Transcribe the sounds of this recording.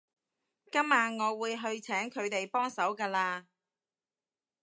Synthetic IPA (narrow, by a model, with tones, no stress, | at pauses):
kɐ˥mːaː˨nŋɔː˨˧wuː˨˧jɦɵ˧ɥt͡sʰɛː˨˥ŋkʰɵ˨˧ɥt̪e˨jpɔː˥ŋsɐ˨˥wkɐː˧laː˧